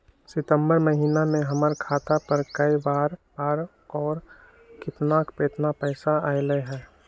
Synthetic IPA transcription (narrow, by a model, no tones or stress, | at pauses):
sɪt̪ə̃mbəɾməɦiːnamẽɦəməɾkʰaːt̪apəɾkəibaːɾbaːɾ | ɔːɾ | kʰɪt̪naːkpeːt̪napɛːsaaːeləɦɛː